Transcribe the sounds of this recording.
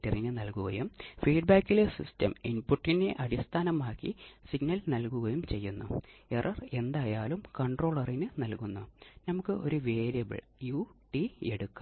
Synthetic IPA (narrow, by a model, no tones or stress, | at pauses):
tːɐrinɨnɐlkuɣɐjumfiːɖbaːkːilesḭstɐ̰minpuʈːinde̞ʔɐɽist̪ʰaːnɐmaːkːisiɡnɐlnɐlkuɣɐjumt͡ɕe̞jːunːṵe̞rʔɐre̞nd̪aːjaːlumkɐɳɖro̞ːɭɐrinɨnɐlkunːunɐmukːɨʔo̞ɾuʋe̞ːɾijɐbɨ̰ɭ | juʈie̞ɽukːɐ